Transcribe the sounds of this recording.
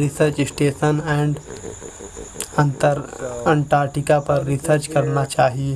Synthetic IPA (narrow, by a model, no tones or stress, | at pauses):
ɾɪsəɾt͡ʃɪsʈeːsənɛ̃ːɳɖ | ə̃nt̪əɾɐ̃ɳʈaːɾʈɪkapɐɾːɪsəɾt͡ʃkɐɾnat͡ʃaːɦie